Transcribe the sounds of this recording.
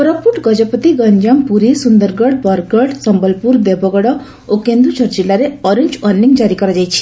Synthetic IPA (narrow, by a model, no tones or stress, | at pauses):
pɾɔpuʈɡɔd͡ʒɔpɔt̪iɡɔɲd͡ʒampuɾisund̪ɔɾɡɔɽbɔɾɡɔɽsɔmbɔlpuɾd̪ebʱɔɡɔɽɔ | okend̪ut͡ʃʰɔɾd͡ʒilaɾeɔɾeɲd͡ʒɔɾniŋd͡ʒaɾikɔɾɔd͡ʒajt͡ʃʰi̥